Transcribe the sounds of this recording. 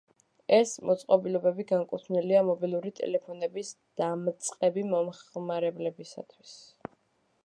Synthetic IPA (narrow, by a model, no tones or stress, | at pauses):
ɛsmʔɔt̪sʼqʼɔbilɔbɛbiɡaŋkʼut̪ʰvniliamɔbilˠuɾit̪ʼɛ̰lɛpʰɔnɛbis | d̪̥amt̪sʼqʼɛbimɔmχmaɾɛblɛbisa̰t̪ʰwis